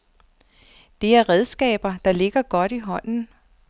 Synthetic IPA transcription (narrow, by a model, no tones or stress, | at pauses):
d̥e̝æɐʁɛð̞ˠsɡ̥ɛ̰ːb̥ɐd̥ɑ̈le̝ɡ̥ɐɡ̥ɒ̽d̥iɦɒ̽n̰n̩